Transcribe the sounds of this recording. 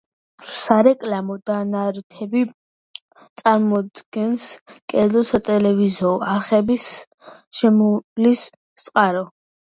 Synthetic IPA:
saɾɛkʼlamɔd̪anaɾt̪ʰɛbi | t̪sʼaɾmɔd̪ɡ̥ɛnskʼɛzɔsat̪ʼɛlɛvizɔaɾχɛbis | ʃɛmɔlis | t̪sʼqʼaɾɔ

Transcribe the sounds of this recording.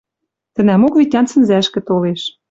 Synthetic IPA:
t̪ɘ̆næmokβʲitʲɑnt͡sə̆nzæʃkɘ̆t̪oleʃ

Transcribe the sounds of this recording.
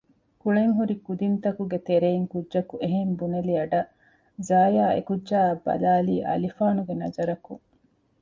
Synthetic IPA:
kuɭeŋɦuɾikud̪int̪ɐkuɡet̪eɾeːŋkuʒɐkuʔeɦembunɐliɐɖɐ | zaːjaːḛkudʒaːbɐ̰laːliːʔɐ̰lifaːnuɡenɐ̰zɐɾɐkuŋ

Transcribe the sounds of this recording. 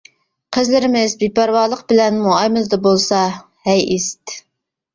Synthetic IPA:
qʰəzlɪɾɪmɪzbipæɾwɑːlˠəq̚bɪlɛnmuɑjmɨlˠɨd̪ɑbolˠsɑ | hɛjɪst̪

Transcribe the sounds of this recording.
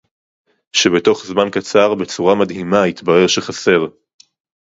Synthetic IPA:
ʃe̞be̞to̞χzmankat͡saʁbe̞t͡suʁamadɦimait̪baʁe̞ʁʃeχase̞ʁ

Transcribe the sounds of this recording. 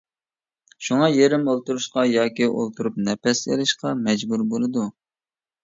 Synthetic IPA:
ʃuŋɑjeɾɪmolˠt̪uɾuʃqɑjɑːkʲiʔo̰lˠt̪ʰuɾup̚nɛpɛsḛlɪʃqɑmɛd͡ʒbuɾbolˠɨd̪u

